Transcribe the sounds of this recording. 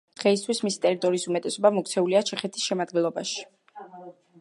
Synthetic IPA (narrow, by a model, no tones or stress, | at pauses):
d̪̥ʁɛist̪ʰwismisi̥t̪ʼɛɾit̪ʼɔɾiːsumɛt̪ʼɛsɔbamɔk̚ʰʼt̪sʰɛuliat͡ʃʰɛχɛt̪ʰi̥sʃɛmad̪ɡɛlˠɔba̰ʃi̥